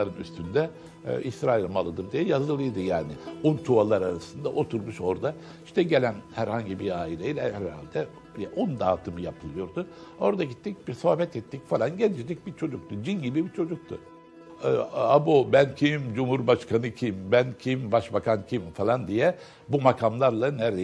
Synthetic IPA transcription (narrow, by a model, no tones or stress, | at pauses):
aɾɯny̰st̪ʰynd̪ɛ̰ | ʔisɾaːilʲmalˠɯd̪ɯɾd̪ijɛjazɯlˠɯjd̪ɯjaːnɪunt̪ʰualˠaɾaɾasɯnd̪aʔo̞t̪ʰuɾmuʃo̞ɾd̪a | iʃt̪ɛɟe̞lʲænhæɾhaɲɟibiaːilʲejilʲɛhæɾa̰lʲd̪ɛ | d̪ijɛʔond̪aːt̪ʰɯmɯjapʰɯlˠɯjo̞ɾd̪ʊo̞ɾd̪aɟit̪ːic̚biɾso̞hbɛt̪ɛt̪ʰːicfalˠanɟɛnd͡ʒid̪ic̚bit͡ʃʰo̞d͡ʒuk̚t̪ʰud͡ʒinɟibibit͡ʃʰo̞d͡ʒuk̚t̪ʰʊ̰ | abubæncʰimd͡ʒumhuɾbaʃkʰanɯcʰimbæncʰimbaʃbakʰancʰimfalˠand̪ijɛ | bumakʰamlˠaɾlˠanæɾe